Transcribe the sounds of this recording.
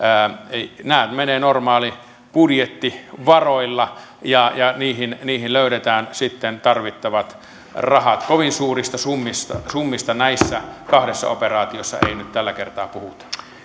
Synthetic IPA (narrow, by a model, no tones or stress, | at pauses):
əːnæˑøt̪meneːnormɑːli | pudjet̪ːiʋɑroilːɑ | jɑjɑniːhinniːhilløˑyɾet̪æːnsit̪ːent̪ɑrʋit̪ːɑʋɑt̪ | rɑhɑt̪koʋinsuːrist̪ɑsumːist̪ɑsumːist̪ɑnæisːækɑhdesːɑ̰o̰perɑːt̪iosːɑ̰ḛinyt̪t̪ælːækert̪ɑːpuhut̪ɑ̥